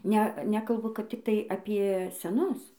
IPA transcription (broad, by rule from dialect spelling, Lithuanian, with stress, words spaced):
ˈnʲɛ ˈnʲæːkɐlˠbʊ kɐt ˈtʲɪktɐɪ ɐpʲiɛ sʲɛˈnʊs